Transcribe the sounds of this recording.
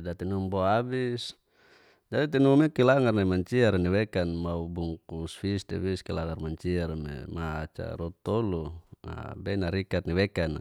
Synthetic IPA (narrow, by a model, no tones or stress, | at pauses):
dat̪inumboabis | d͡ʒadit̪inumekilaŋarnaimaɲt͡ʃiaɾniwɛkanmaubuŋkusfistɛ̰fiskilaŋarmaɲt͡ʃiaɾmḛmaat͡ʃa̰ɾɔt̪ɔlua̰bɛnaɾikat̪̚niwekan